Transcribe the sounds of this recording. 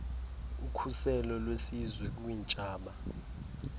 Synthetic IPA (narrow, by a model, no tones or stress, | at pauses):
ukʰusɛlɔlwesizwɛk̬uwint͡ʃʼaːɓa